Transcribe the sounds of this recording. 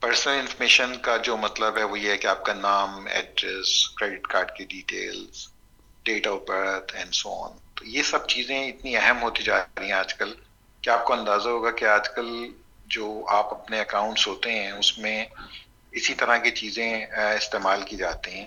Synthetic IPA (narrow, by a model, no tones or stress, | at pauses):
pɐɾsnəlɪ̃nfɔɾmeːʃənkad͡ʒoːmɐt̪ləbɦɛʋojeɦɛkeaːp̚kanaːmɛ̰ːɖɾɛskɾeːɖɪʈkaːɾɖkeɖiːʈḛːlz̥ | ɖeːʈabɐɽət̪ʰɛ̰̃ɳɖsoɔ̰ːnt̪ojesɐb̚t͡ʃiːzẽɪt̪niɛɦɛmɦoːt̪id͡ʒaːɾiɦɛ̃aːd͡ʒkɐl | keaːp̚koɐ̃nd̪aːzaɦoːɡakeaːd͡ʒkɐl | d͡ʒoːaːpɐpneɐkãːʊ̃ɳʈsɦoːt̪eɦɛ̃ʊsmẽ | ɪsit̪ɐɾaket͡ʃiːzẽɪst̪eːmaːlkid͡ʒaːt̪iɦɛ̃ː